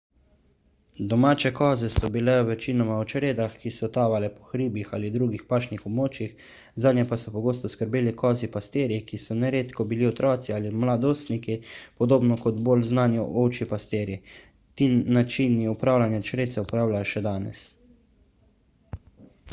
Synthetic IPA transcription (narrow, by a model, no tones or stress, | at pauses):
d̪ɔmaːt͡ʃɛkɔːzɛsɔbilɛʋɛt͡ʃiːnɔmaut͡ʃɾeːd̪axkisɔt̪aːʋalɛpɔ̥xɾiːbixa̰lid̪ɾuːɡixpaːʃnixɔbmoːt͡ʃjix | zaːd̪njɛpasɔpɔɡoːst̪ɔskəɾbeːlikɔːzipast̪eːɾjikisɔnɛɾeːt̪kɔbiliɔt̪ɾɔːt̪sialimlad̪oːst̪nikipɔd̪oːbnɔkɔd̪bolznaːnjɔʔoːt͡ʃipast̪eːɾji | t̪iːnat͡ʃiniupɾaːwlanjat͡ʃɾeːt̪sɛupɾaːwlajɔʃɛd̪aːnɛ̰s